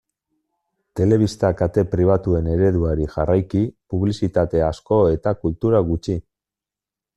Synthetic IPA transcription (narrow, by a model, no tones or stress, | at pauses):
t̪e̞le̞β̞ist̪akat̪e̞pɾiβ̞at̪ue̞ne̞ɾe̞ðuaɾiʝarajkipuβ̞lisit̪at̪e̞asko̞e̞t̪akult̪uɾaɣut͡ʃi